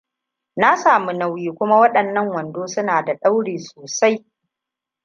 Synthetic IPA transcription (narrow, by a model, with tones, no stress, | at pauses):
na˦saː˨mu˦na˨wjiː˦kʷʊ˦ma˦wɐ˦ɗɐ˨nːɐ˦ŋwɐ˨ndoː˦sʊ˦naː˨da˨ɗa˦wɽeː˨soː˨sa˦j